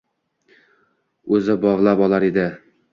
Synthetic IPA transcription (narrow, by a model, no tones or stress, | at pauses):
ɵzɪbɒʁlˠapɒlˠaɾed̪ɪ